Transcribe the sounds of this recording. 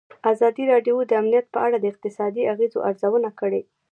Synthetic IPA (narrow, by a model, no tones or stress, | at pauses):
azɑd̪iɾɑɖjod̪əamnijat̪̚pəʔaɽad̪əɪq̚t̪ɪsɑd̪iaɣezo̰ʔaɾzawənakəɽe